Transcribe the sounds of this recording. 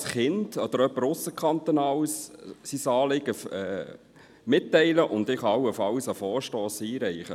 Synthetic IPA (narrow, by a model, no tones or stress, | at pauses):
sχɪnd̥ɔd̪̥əɾœpːəɾʊsəkʰɑnt̪onɑwssisɑːlɪɡ̥əfɛː | mɪtːɛɪləʔʊnd̪ɪχɑwəfɑwsɑfɔːɾʃtoːsiːɾɛɪχə